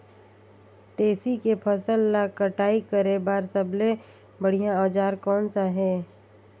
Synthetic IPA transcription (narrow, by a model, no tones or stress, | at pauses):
t̪eːsikepʰəsəlːakəʈaːikəɾebaːɾsəblẽ | bəɽijãɔːd͡ʒaːɾkɔːnsaɦɛː